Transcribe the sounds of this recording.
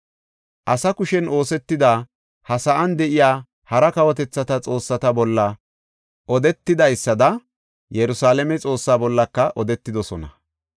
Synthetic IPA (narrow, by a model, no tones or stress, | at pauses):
ʔɐsɐkʊʃɛnʔo̞ːsɛt̪ːɪd̪aː | hɐsɐʔɐnd̪ɛʔɪjaː | hɐɾɐkɐwɔt̪ɛt͡sːɐt̪ɐt͡sʼo̞ːsːɐt̪ɐbɔlːɐ | ʔɔd̪ɛt̪ːɪd̪ɐjsːɐd̪ɐ | jɛɾʊsaːlɛmɛt͡sʼo̞ːsːaːbɔlːɐkːɐʔɔd̪ɛt̪ːɪd̪ɔsɔnɐ̰